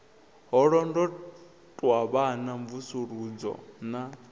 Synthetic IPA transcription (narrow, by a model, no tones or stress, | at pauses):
ɦɔɺɔndɔ | tʼwaβanaɱvusuɾud͡zɔ̰na